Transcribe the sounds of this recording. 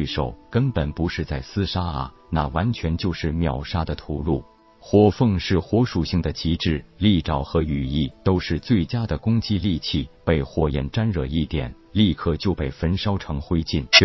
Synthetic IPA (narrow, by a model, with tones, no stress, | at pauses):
ʂo˨˩ʊkə˥npə˨˩npu˧˥ʂɻ̩˥˧t͡sa˥˩ɪsɹ̩˥ʂa˥ɐ̰˨˩ | na˥˩wa˧˥nt͡ɕʰɥɛ˧˥nt͡ɕjo˥˧ʊʂɻ̩˥˩mjɑ˨˩ʊʂa˥d̪ə˨t̪ʰu˧˥lu˥˩ | xwɔ˧˥fɤ˥˧ŋʂɻ̩˥˩xwɔ˧˥ʂu˨˩ɕi˥˩ŋd̪ə˩t͡ɕʰi˧˥ʈ͡ʂɻ̩˥˩li˥˩ʈ͡ʂɑ˨˩ʊxɤ˧˥y˨˩i˥˩t̪o˥ʊʂɻ̩˥˧t͡swe˥˩ɪt͡ɕja˥d̪ə˨kʊ˥ŋt͡ɕi˥li˥˧t͡ɕʰi˥˩pe˥˩ɪxwɔ˧˥˩jɛ̰˧˥nʈ͡ʂa˥nɻɤ˨˩i˥˩t̪jɛ̰˨˩˦n | li˥˧kʰɤ˥˩t͡ɕjo˥˧ʊpe˥˩ɪfə˥nʂɑ˥ʊʈ͡ʂʰɤ˧˥ŋxwe˥ɪt͡ɕi˥˩n